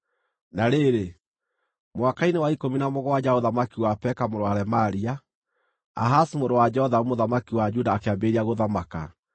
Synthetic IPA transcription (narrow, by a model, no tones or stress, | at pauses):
naɾeɾe | mwakainewaikominamoɣɔwad͡ʒaoðamakiwapɛkamoɾoaɾɛmaɾia | a̰ɦasimoɾowad͡ʒɛhɔðaumoðamakiwad͡ʒudaːkeabeɾiaɣoðamaka̰